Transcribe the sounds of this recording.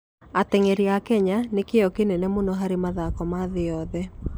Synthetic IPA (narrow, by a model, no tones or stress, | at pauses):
atɛŋɛɾiakɛɲanekeɔkenɛnɛmonɔɦaɾemaðakɔmaðeɔðɛ